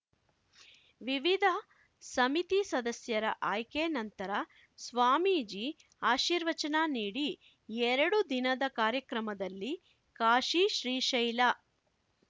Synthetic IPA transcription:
ʋiʋid̪ʱɐ | sɐmit̪isɐd̪ɐsjɐɾɐ̰ʔaːjkenɐnt̪ɐɾɐ | sʋaːmid͡ʒi | aːʃiːɾʋɐt͡ʃɐnaːniːɽi | ɛɾɐɽud̪inɐd̪ɐkaːɾjɐkɾɐmɐd̪ɐlːi | kaːʃiʃɾiːʃɐjla

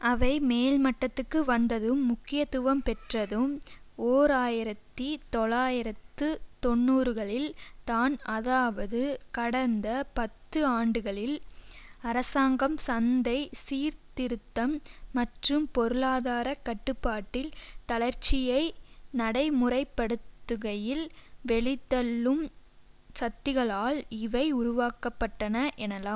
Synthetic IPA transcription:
ʔɐʋɐɪmeːlmɐʈːɐt̪ːɯkːɯʋɐnd̪ɐðɯmːʊkːɪjɐt̪ːʊʋɐmpɛʈrɐðɯmoːɾaːjɪɾɐt̪ːit̪ɔɭaːjɪɾɐt̪ːɯt̪ɔnːuːɾɯɣɐɭɪlt̪aːnɐðaːʋɐðɯkɐɽɐnd̪ɐpɐt̪ːɯaːɳɖɯɣɐɭɪl | ɐɾɐsaːŋɡɐmsɐnd̪ɐɪsiːɾt̪ɪɾɯt̪ːɐmːɐʈrɯmpɔɾɯlaːðaːɾɐkːɐʈːɯpːaːʈːɪlt̪ɐɭɐɾt͡ʃɪjɐɪnɐɽɐɪmʊrɐɪpːɐɽɯt̪ːɯɣɐjɪlʋɛɭɪt̪ːɐlːɯm | sɐt̪ːɪɣɐɭaːɭɪʋɐɪʊɾʊʋaːkɐpːɐʈːɐnɐʔɛnɐlaː

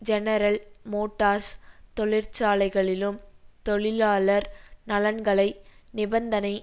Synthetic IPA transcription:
d͡ʒɛnɐɾɐlmoːʈːaːst̪ɔɭɪɾt͡ʃaːlɐɪɣɐɭɪlɯmt̪ɔɭɪlaːlɐɾnɐlɐnɡɐɭɐɪnɪbɐnd̪ɐnɐɪ

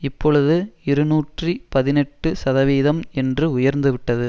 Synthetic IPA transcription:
ɪpːɔɭɯðɯɪɾɯnuːʈripɐðɪnɛʈːɯsɐðɐʋiːðɐmɛndrɯʊjɐɾnd̪ɯʋɪʈːɐðɯ

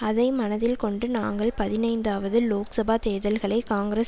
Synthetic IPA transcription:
ɐðɐɪmɐnɐðɪlkɔɳɖɯnaːŋɡɐɭpɐðɪnɐɪnd̪aːʋɐðɯloːksɐbaːt̪eːðɐlɣɐɭɐɪkaːŋɡɾeːs

